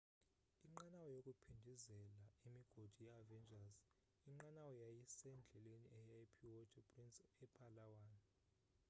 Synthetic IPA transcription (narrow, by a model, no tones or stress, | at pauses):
iŋ͡ǃanawɔjokʼupʰindʱizɛlaimiɡ̥ʱod̥ʱujavɛnd͡ʒʱaz | iŋ͡ǃanawɔjajisɛnd͡ɮʱɛleniʔɛajpʰiwɔtʰʼɛpʼrinsʼɛpʰʼalawaːn